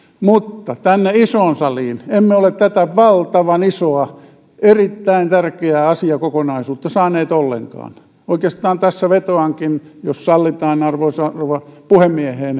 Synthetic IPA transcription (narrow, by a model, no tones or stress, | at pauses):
mut̪ːɑt̪ænːeisoːnsɑliːnemːeolet̪t̪æt̪æʋɑlt̪ɑʋɑnisoɑ | erit̪ːæint̪ærkeæːɑsiɑkokonɑisuːt̪ːɑsɑːneːt̪olːḛŋkɑ̰ːn | oikeːst̪ɑːnt̪æsːæʋet̪oɑŋkinjossɑlːit̪ɑːnɑrʋosɑrʋɑpuhemːieheːn